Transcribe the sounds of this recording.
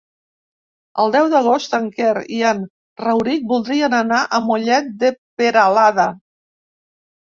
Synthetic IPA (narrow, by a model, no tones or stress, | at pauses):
əlˠd̪ɛwðəɣ̞ost̪əŋkɛɾḭan | rəwɾik̚bulˠd̪ɾiənənaʔəmuʎɛt̪̚d̪əpeɾəlaðə